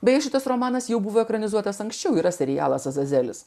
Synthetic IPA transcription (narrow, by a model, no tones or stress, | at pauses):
bʲɛjɛʃʲɪt̪ɐsɾoːmɑːnɐsjɛʊbuʋoːɛkɾɐnʲɪzuɔt̪ɐsɐŋksʲt͡ʃʲɛʊiːɾɐsʲɛɾʲɪjæ̰ːlˠɐsɐzɐzʲæːlʲɪs